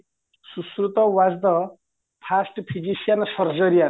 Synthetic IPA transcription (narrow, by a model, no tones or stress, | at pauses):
suskɾut̪ɔʋazd̪ɔ | pʰasʈpʰid͡ʒisijansʌɾd͡zʌɾija